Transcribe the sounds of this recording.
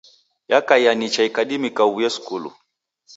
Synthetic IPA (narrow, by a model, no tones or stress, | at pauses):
jakajanit͡ʃaikaɗimikawujɛskulṵ